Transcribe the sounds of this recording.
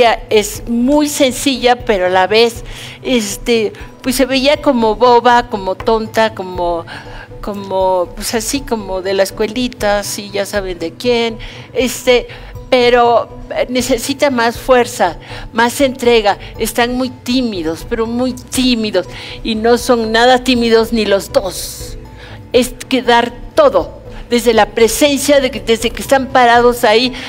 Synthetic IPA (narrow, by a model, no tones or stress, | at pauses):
aesmujsensiʝapeɾoalaβesest̪epwesːeβeiakomoβoβakomot̪ont̪akomo | komopwesasikomoðelaeskwelit̪asiʝasaβend̪ekjen | est̪e | peɾo | nesesit̪amasfweɾsamasent̪ɾeɣa | est̪anmujt̪imiðospeɾomujt̪imiðosinosoŋnaðat̪imiðoznilozd̪os | eskeðaɾt̪oðoðezðelapɾese̞nsjaðed̪ezðekest̪ampaɾaðosai